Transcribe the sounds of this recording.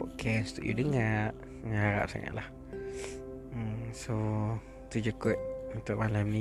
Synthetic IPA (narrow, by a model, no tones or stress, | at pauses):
oʔkʰɛst̪uʔjṵdəŋaʔ | ŋaaɾa̰psa̰ŋa̰ʔlah | so | t̪ud͡ʒəkoʔunt̪uʔmalamni